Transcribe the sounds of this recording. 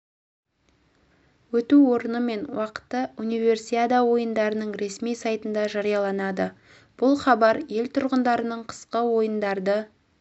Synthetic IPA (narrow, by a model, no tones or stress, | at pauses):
wɵt̪uwo̞ɾənəme̞nwɑqə̥t̪ːəunijve̞rsiad̪awo̞jənd̪ɑɾənəɴɾe̞smijsɑjt̪ənd̪ɑʒɑɾijɑlˠɑnɑd̪ə | b̥ʊlˠχɑbɑɾje̞lʲt̪ʰʊɾʁənd̪ɑɾənəɴqʰə̥sqəwo̞jənd̪ɑɾd̪ə